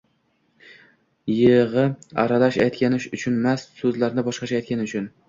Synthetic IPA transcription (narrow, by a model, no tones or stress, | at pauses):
jeʁɨa̰ɾalaʃa̰jt̪kʲanɪʃʊt͡ʃʰʊnmassɵzlaɾnɪbɒʃqɑt͡ʃʰajt̪̚kʲʰanɪʊt͡ʃʰʊn